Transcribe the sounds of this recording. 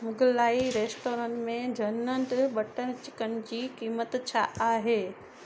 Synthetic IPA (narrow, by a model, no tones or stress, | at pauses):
mʊɡlaːiɾeːsʈoːɾənmẽd͡ʑʱɐnəɳɖɓɐʈənt͡ɕɪkənɪ̆d͡ʑiːkiːmət̪t͡ɕʰaʔaːɦeː